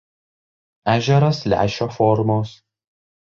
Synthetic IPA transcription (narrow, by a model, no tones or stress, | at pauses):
æːʒʲɛɾɐslʲæ̰ːʃʲoːfɔɾmoːs